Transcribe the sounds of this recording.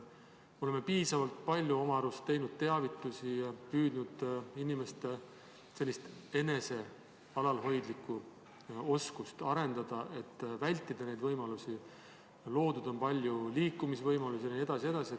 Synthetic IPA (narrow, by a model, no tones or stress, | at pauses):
o̞lemːepiːsɑvɑlt̪̚pɑlʲjuo̞mɑɾust̪e̞jnud̪̥̚t̪e̞ɑvit̪ːˑusipyːd̪̥nud̪̥inime̞st̪e | se̞lʲːist̪e̞ne̞se̞ | ɑlɑlɦo̞jd̪likːˑu | o̞skust̪ɑɾe̞nd̪̥ɑd̪̥ɑʔe̞t̪ːvælʲt̪ˑːid̪̥ɑne̞jd̪vɤjmɑlusi | lo̞ːd̪̥ud̪̥onpɑlʲjuliːkːumisvɤjmɑlusineeɑsie̞d̪̥ɑsi